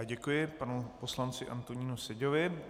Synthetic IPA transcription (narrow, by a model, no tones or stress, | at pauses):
ɟɛkujɪpanupo̞slant͡sɪʔa̰nt̪oɲiːnusɛɟovɪ